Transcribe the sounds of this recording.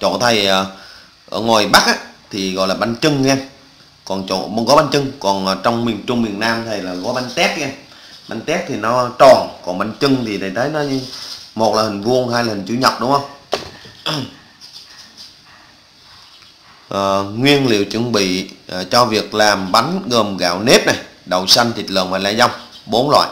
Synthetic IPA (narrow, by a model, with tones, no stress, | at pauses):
t͡ɕo̰˧˨t̪ʰə˨˩jʔəː˨˩ | ʔəː˧˩ŋwaː˨˩jɓa˦˥k̚ʔaː˧˦t̪ʰi˨˩ɣɔ̰˧˨jlaː˨˩ɓa˧nt͡ɕɨ˧ŋɛ˧ | kɔ˨˩nt͡ɕo̰˧˨ɣɔ˨˦ɓa˧nt͡ɕɨ˧ŋkɔ˨˩nː˨˩t͡ɕɔ˧wŋ͡mmi˨˩əŋt͡ɕʊ˧ŋ͡mmḭ˨˧˨ənnaː˧mt̪ʰə˨˩jlaː˨˩ɣɔ˨˦ɓa˧nt̪ɛ˦˥t̚ɣɛ˧ | ɓa˧nt̪ɛ˦˥p̚t̪ʰi˨˩nɔ˨˦t͡ɕɔ˨˩nkɔ˨˩nɓa˧nt͡ɕɨ˧ŋt̪ʰi˨˩ɗa˨˩jt̪ʰə˨˦jnɔ˨˦˧mo˨˩t̚laː˨˩hï˨˩ŋ̟vu˧ənhaː˧jlaː˨˩hi˨˩ŋ̟t͡ɕu˧˦ɲə˨˩p̚ɗʊ˨˦hə˧wŋ͡m | ʔəː˨˩ŋwi˧ənlḭ˧˨ə˨wt͡ɕɨ̰˧˨ŋɓḭ˧˨˩t͡ɕɔ˧vi˨˩ək̚laː˨˩mɓa˨˦ŋɣəː˨˩mɣa̰ː˧˨wne˦˥p̚na˨˩jɗə˨˩wsa˧ŋt̪ʰi˨˩t̚lə̰ː˧˨ŋvaː˨˩laː˧za˧wŋ͡mɓo˨˦nlwa̰ː˧˨j